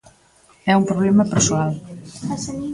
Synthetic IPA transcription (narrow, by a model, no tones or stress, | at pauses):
ɛumpɾoβlɛmɐpeɾsoal